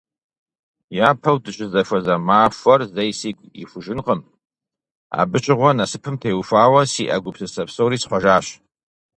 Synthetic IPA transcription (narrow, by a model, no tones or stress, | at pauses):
jaːpʰɐwdɨʃʷʼɪzɐfʷɐzamaːfʷɐrzejsiɡʷʼḭfuʒɨnqʼəm | a̰bɨt͡ʃʼɪʁʷɔnasɨpʰɨmtʰejwfaːwɐsiːʔa̰ɡʷʊpʰsɨsɐpsowɾiːsħʷaʒaːɕ